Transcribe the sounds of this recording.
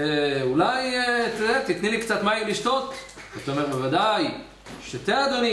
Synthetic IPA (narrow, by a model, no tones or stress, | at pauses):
eulajt̪ed̪eat̪it̪nilikt͡sat̪maimliʃt̪o̞t̪ | ot̪aomeʁbevad̪aj | ʃet̪ead̪oni